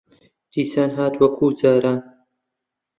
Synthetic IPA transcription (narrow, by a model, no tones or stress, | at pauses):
d̪̥iːsaːnɦaːt̪wɐkʰuːd͡zaːɾaːn